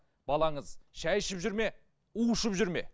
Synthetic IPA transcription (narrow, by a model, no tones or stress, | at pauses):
b̥ɑlˠɑɴəzʃæjɪʃɪpʒʏɾme̞ | uʊʃəpʒʏɾme̞̰